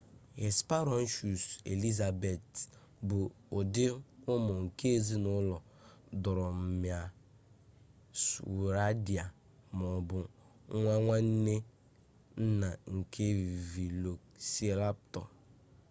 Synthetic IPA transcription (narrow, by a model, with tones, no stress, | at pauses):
e˨spa˦ɾɔ˦n̩˦ʃu˨sḛ˨li˦za˨be˨t | bʊ˨ | ʊ˨dɪ˦ʊ˦mʊ˨ŋ̩˨ke˦e˦zi˦nʊ˦lɔ˨ | dʊ˨ɾɔ˨m̩˨mja˨ | su˨ɾa˦di˨a˨ | m˨ɔ˨bʊ˨ | ŋʷa˦ŋʷa˦n̩˦ne˦ | n̩˦na˨ŋ̩˨kʰe˦vi˨lo˨k̚si˦e˦la˦p̚tɔ˨